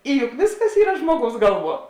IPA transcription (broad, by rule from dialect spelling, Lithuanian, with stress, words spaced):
ɪ jʊk ˈʋʲeːsˌkɐs ˈiːrɐ ˈʒmuɔˌɡɐʊs ˈɡɐlˠˌʋuɔ